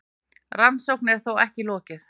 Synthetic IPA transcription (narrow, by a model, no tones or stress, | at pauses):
ransowknɛɾ̥θowɛ̰hcɪlɔːcɪθ